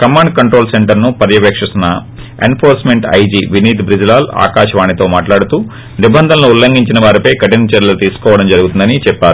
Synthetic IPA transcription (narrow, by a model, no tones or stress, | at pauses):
kɐmːaːɳɖkɐɳʈɾo̞ːlseɳʈɐɾnupɐɾjɐpeːkʂisɐnɐ | ḛnpʰoːɾsmeɳʈɐ̰jd͡ʒiːʋiniːt̪bɾid͡ʒlaːlua̰ːkaːʃɐʋaːnit̪o̞ːmaːʈlaːɽut̪uː | nibɐnd̪ʱɐnloːulːɐŋɡiɲt͡ʃinɐʋaːɾipɐjkɐʈinɐt͡ʃɐɾɐlɐut̪iːsu̥kɔːʋɐɽɐmd͡ʒɐɾuɡut̪und̪ɐnit͡ʃɛpːaːɾu